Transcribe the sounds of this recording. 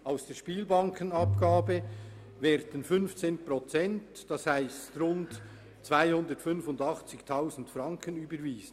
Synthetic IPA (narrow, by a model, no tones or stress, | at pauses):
ʔaʊsd̥eːʃpiːlbɑŋkʰənɑpɡ̥aːbə | vɛːɾdən̩fʏnft͡seːnprot͡sɛnt | d̥ɑshaɪstrʊnt | t͡sv̥aɪhʊndətfʏnfʊndɑχt͡sɪçtʰaʊzn̩tfrɑŋkənyːbəɾviːzən